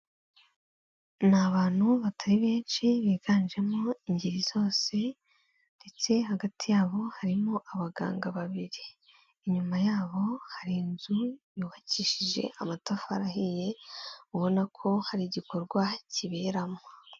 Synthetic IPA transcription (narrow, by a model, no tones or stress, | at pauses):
naβaːn̥huβatʰaɾiβeːnt͡ʃiβiːɡaːnd͡ʒe̞moiɲɟiɾizo̞ːse̞ | nde̞t͡se̞haɡatʰijaːβo̞haɾimo̞ʔaβaɡa̰ːŋɡaβaβiɾiː | ɲumajaːβo̞haɾinzujuːβaciːʃiʒe̞̰ʔamatafa̰ɾaɦije̞uβo̞nakʰo̞haɾiɟiko̞ɾɡwaciβe̞ɾamo